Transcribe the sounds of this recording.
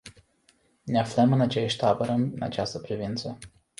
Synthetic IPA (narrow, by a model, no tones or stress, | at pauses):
neafləmɨnat͡ʃeʃʲt̪abəɾəmɨna̰t͡ʃast̪əpɾivint̪sə